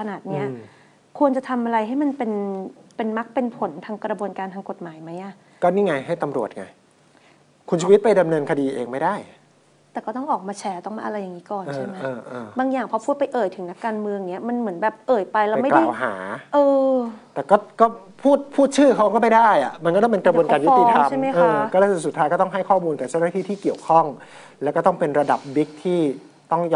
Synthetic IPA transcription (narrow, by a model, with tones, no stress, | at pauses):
kʰa˧naː˨˩t̪̚ni˦˥ɐ | kʰu˧ənt͡ɕa˨˩t̪ʰa˧mʔa˧ɾa˧jɦa˥˩jma˧npe˧npe˧nma˦˥k̚pe˧npʰo˩˦nt̪ʰaː˧ŋkɾa˧bu˧ənkaː˧nt̪ʰaː˧ŋko˨˩t̪̚maː˩˦jma˦˥jʔa˨˩ʔ | kɔː˥˩niː˥˩ŋa˧jɦa˥˩jt̪a˧mɾu˨˩ət̪̚ŋa̰˧j | kʰu˧nt͡ɕʰuː˧wi˦˥t̪̚pa˧jda˧mnɤː˧nkʰa˧diː˧ʔeː˧ŋma˥˩jdaː˥˩j | t̪ɛː˨˩kɔː˥˩t̪ɔ˥˩ŋʔɔː˨˩k̚maː˧t͡ɕʰɛː˦˥t̪ɔ˥˩maː˧ʔa˧a˧jːa˨˩ŋiː˦˥kɔː˨˩nt͡ɕːa˥˧˩jma˦ɤjːʔɤː˧baː˧ŋjaː˨˩ŋpʰɔ˧˦pʰuː˥˩t̪̚pa˧jʔɤː˨˩jt̪ʰɯ˩˦ŋna˦˥kːaː˧nmɯ˧əŋni˦˥ɐma˧nmɯ˩˦ənbɛː˨˩p̚ʔɤː˨˩jpa˧jlɛː˦˥wma˥˩klaː˦˥˨wɦa̰ː˩˦ʔɤː˧t̪ɛː˨˩kɔː˥˩kɔː˥˩pʰuː˥˩t̪̚pʰuː˥˩t̪̚t͡ɕʰɯː˥˩kʰa˦wma˧kɔ˥˩ma˥˩jdaː˥˩jʔa̰˨˩ma˧nkɔː˥˩˥pe˧nkɾa˧bu˧ənaː˧nju˦˥t̪i˨˦t̪ʰa˧a˥˩ma˦˥jʔɤː˧˦kɔː˥˩la˧˩˨su˨˩t̪ʰːaː˦jkɔː˥˩t̪ɔ˥˩ŋɦa˥˩jkʰɔː˥˩muː˧nk̪aː˨˩t͡ɕa˥˩wnaː˥t̪ʰiː˥˩t̪ʰiː˥˩ki˨˩əwkʰɔ˥˩ŋ | lɛ˦˥kɔː˥˩t̪ɔ˥˩ŋpe˧nɾa˧da˨˩p̚bi˦˥k̚t̪ʰiː˥˩ | t̪ɔ˥˩ŋj